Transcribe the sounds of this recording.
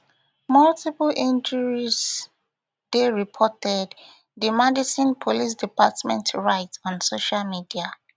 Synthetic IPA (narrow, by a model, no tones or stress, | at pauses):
maltiplʔĩnd͡ʒəɹiz | d̥eɹipʰɔtɛd | dəmɛdisĩnpʰolis̬dipatmɛ̃ntʰɹaɪtɔ̃nsoʃalmidia